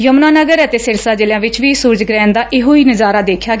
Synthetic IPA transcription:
jəmnaːnəɡəɾət̪eːsɪɾsaːd͡ʒɪljãːʋɪt͡ʃʋiːsʊɾd͡ʒɡɾɛ̃ːnd̪aːʔɪɦoːiːnəzaːɾaːd̪eːkʰjaːɡ

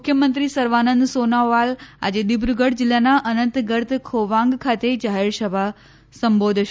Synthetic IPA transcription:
ʊkʰjəmənt̪ɾisəɾʋanənd̪sonaʋala̰d͡ʒed̪ibɾuɡəɽd͡ʒɪlːanaʔənə̃nt̪ɡəɾt̪kʰoʋãŋɡkʰat̪ed͡ʒaɦeɾsəbʱa | sə̃mbod̪ʱʃ

